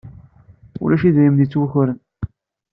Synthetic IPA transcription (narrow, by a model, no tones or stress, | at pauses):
ʊ̰læʃiðɾimnit͡sːwəçʊɾən